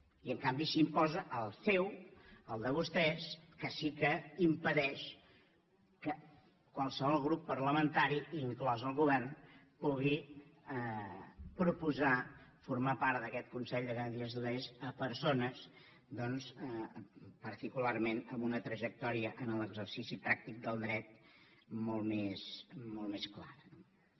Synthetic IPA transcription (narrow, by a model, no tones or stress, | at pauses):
iəŋkambisimpɔzəʔəlˠsɛwəlˠd̪əβust̪ɛskəsikəimpəðɛʃ | kə | kwalˠsəβɔlˠɣɾupːəɾləmənt̪aɾiiŋklɔzəlˠɣuβɛrn | puɣi | pɾupuzafuɾmapaɾt̪d̪əkɛt̪̚kunsɛʎd̪əɣənɾiəzðuðezəpəɾsonəs | d̪ɔnzəpəɾt̪ikularmenəmbunət̪ɾəʒək̚t̪ɔɾiəʔənələɡzəɾsisipɾak̚t̪ik̚d̪əlˠd̪ɾɛt̪̚molˠmesmɔlˠmesklaɾ